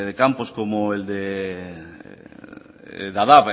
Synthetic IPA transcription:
ðekamposkomoeld̪e | d̪aðaβ

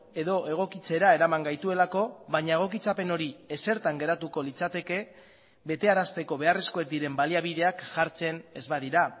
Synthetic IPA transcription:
e̞ðo̞ʔe̞ɣ̞o̞kit͡se̞ɾae̞ɾamaŋɡajt̪ue̞lako̞βaɲae̞ɣ̞okit͡sape̞no̞ɾie̞se̞ɾt̪aŋɡe̞ɾat̪uko̞lit͡sat̪e̞ke̞ | βe̞t̪e̞aɾast̪e̞ko̞β̞e̞are̞sko̞e̞k̚d̪iɾe̞mbaliaβ̞iðe̞akʝaɾt͡se̞ne̞zβaðiɾa

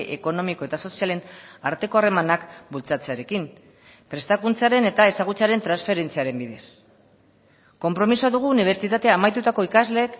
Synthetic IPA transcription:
ʔḛko̞no̞miko̞e̞t̪aso̞siale̞na̰ɾt̪e̞ko̞are̞manakbult͡sat͡se̞aɾe̞kim | pɾe̞st̪akunt͡saɾe̞ne̞t̪ae̞saɣ̞ut͡saɾe̞nt̪ɾansfe̞ɾe̞nt͡siaɾe̞mbiðe̞s | ko̞mpɾo̞misoaðuɣ̞uːniβ̞e̞ɾt͡sit̪at̪e̞aːmajt̪ut̪ako̞ikazle̞ːk

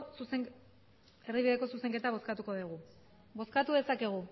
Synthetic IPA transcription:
suse | e̞riβiðe̞ko̞suse̞ŋke̞t̪aβ̞o̞skat̪uko̞ðiɣ̞u | bo̞skat̪uðe̞sake̞ɣ̞u

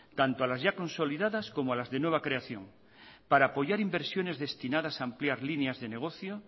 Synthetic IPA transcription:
t̪ant̪oalazʝako̞nso̞liðaðasko̞moalazðenwe̞β̞akɾeaθjo̞̰ŋ | paɾaːpo̞ʝaɾimbeɾsjo̞ne̞zðe̞st̪inað̞asaːmpljaɾlineazðeneɣ̞oθjo

